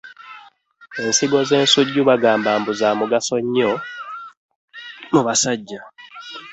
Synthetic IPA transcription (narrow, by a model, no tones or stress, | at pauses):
e̞nsiɡo̞ze̞ːnsuɟːuβaɡaːmbaːmbuzaːmuɡaso̞ɲːo̞ | muβasaɟːa